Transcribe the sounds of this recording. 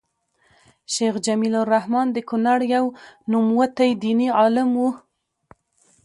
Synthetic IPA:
ʃexd͡ʒamiloɾahmɑnd̪əkunaɽjawnumwat̪ajd̪iniɑlɪmwu

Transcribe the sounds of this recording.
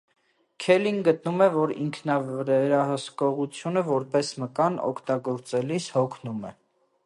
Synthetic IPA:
kʰɛlinɡət̪̚numɛvɔɾḭŋkʰnɑvɛɾɑhəskɔʁut͡sʰjunəvɔɾpɛsməkɑnɔ̰kʰt̪ɑɡɔɾt͡sɛlishɔkʰnumɛ

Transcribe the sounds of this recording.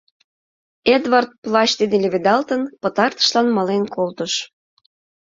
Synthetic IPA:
ed̪vɑrt̪̚plɑt͡ɕt̪id̪elʲeβed̪ɑlt̪ənpət̪ɑrt̪ə̥ʃlɑnmɑlenkolt̪əʃ

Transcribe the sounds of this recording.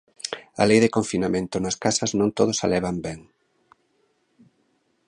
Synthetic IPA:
ɐ̰lejðɪkoɱfinamẽnt̪ʊnɐskasɐznõnt̪oð̞ʊsa̰lɛβambɛŋ

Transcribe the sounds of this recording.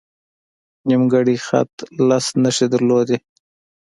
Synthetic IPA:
nimɡaɽixa̰t̪lasnəʂid̪əɾlod̪e

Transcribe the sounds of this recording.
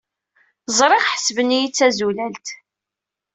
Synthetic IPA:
zˤɾˤeʁħə̥svənijit͡sːæzulælt̪

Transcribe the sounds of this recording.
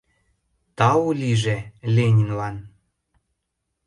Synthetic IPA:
t̪ɑulʲiʒelʲenʲinlɑn

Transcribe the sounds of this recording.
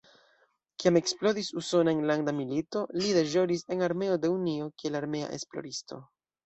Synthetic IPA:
kiame̞ksplo̞ɾisuso̞naenlandamilito̞lideʒo̞ɾise̞naɾme̞o̞de̞unio̞kielaɾme̞a̰ʔḛsplo̞̰ɾisto̞̰

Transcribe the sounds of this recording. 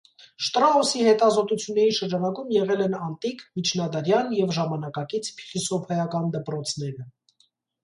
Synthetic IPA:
ʃt̪ɾɑɔsihɛt̪ɑzɔt̪ut͡sʰjunːɛɾiʃəɾd͡ʒɑnɑkumjɛʁɛlɛnɑnt̪ikʰmit͡ʃʰnɑd̪ɑɾjɑnjɛvʒɑmɑnɑkɑkit͡sʰpʰi̥χisɔpʰɛjɑkɑnd̪əpɾɔt͡sʰn̪ɛɾə

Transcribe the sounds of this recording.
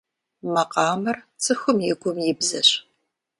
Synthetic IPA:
mɐqɑːmɐr | t͡sʰʼɨxʷʊmjɪɡʷʊmjɪbzɐ̰ɕ

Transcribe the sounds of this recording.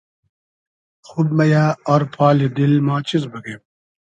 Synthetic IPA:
xud̪̚mɐjaːɐɾpʰaːlid̪ilmaːt͡ɕizbɐɡem

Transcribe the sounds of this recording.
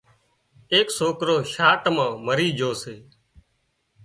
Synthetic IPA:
eːksoːkɾoːʃaːʈmãːməɾiːd͡ʒʱoːseː

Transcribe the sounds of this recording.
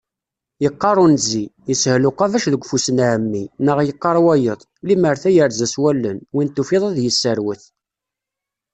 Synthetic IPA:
jəqːɑɾˤunzijəshlʊqɑðæʃðəɡʷfusənʕəmːinəʁjəqːɑɾˤwæjəðˤliməɾθæjəɾzæswælːənwint̪ːufiðˤɑðjəsːəɾwəθ

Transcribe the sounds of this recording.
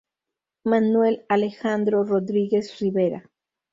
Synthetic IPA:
manwelalexand̪ɾoroðɾiɣesriβeɾa̰

